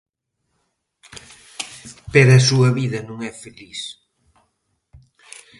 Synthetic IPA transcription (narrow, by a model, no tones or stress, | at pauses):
peɾɐsuɐβiðɐnũŋɛfelis